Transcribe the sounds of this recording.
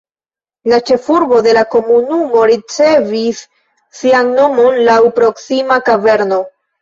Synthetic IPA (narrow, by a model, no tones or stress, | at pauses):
lat͡ʃe̞fuɾbo̞de̞lako̞munumo̞ɾit͡se̞visː | ianno̞mo̞nlawpɾo̞ksimakave̞ɾno̞